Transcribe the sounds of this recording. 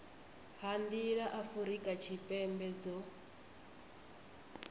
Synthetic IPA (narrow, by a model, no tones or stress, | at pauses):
hand̪iɺaʔafuɾikʼat͡ʃʰipʼɛmbɛd͡zɔ